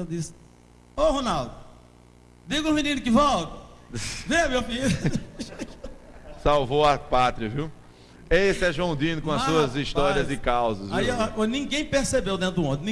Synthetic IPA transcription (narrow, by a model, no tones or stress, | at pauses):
ewd̪isɪ̥ | ohonawd̪ʊ | d̪iɡʊũmĩnĩnʊkɪvɔwt̪ɐveɐmewfil | sawvowɐpat̪ɾiɐviw | esɪɛʒõw̃d̪ĩnʊkõɐssuɐzist̪ɔɾiɐzɪkawzɐzviikonĩɡẽj̃peɾsebewd̪ẽnt̪ɾd̪ʊ̃õd̪ɪ̃nĩ